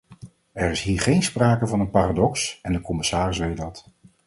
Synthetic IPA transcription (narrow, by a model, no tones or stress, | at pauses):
ɛɹɪsɦiːɹχejnspraːkəvɑnənpaːradɔksɛndəkɔmɪsaːrɪsʋejt̚dɑt